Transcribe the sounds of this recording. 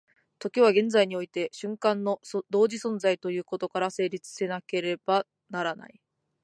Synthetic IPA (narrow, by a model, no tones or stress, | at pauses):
t̪o̞kʲiβ̞aɡẽ̞nd͡zaiɲ̟io̞it̪e̞ɕɨ̃ŋkãnːo̞d̪o̞ːʑisõ̞nd͡zait̪o̞jɯ̟ːko̞t̪o̞kaɾase̞ːɾʲit͡sɨ̥se̞nake̞ɾe̞b̥a | naɾana̰i